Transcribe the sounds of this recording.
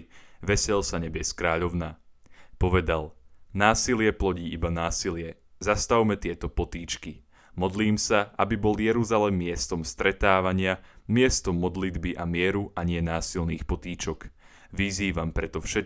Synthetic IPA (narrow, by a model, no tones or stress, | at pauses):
ʋɛsɛʎsaɲɛbɪɛskɾaːʎɔʊnapɔʋɛd̪alnaːsilɪɛplɔɟiːʔibanaːsilɪɛ | zast̪awmɛt̪ɪɛt̪ɔpɔt̪iːt͡ʃki | mɔd̪liːmsaʔabibɔljɛɾuzalɛmːɪɛst̪ɔmst̪ɾɛt̪aːʋaɲɪamɪɛst̪ɔmːɔd̪lid̪biʔamɪɛɾuʔaɲɪɛnaːsilniːxpɔt̪iːt͡ʃɔk | ʋiziːʋampɾɛt̪ɔfʃɛ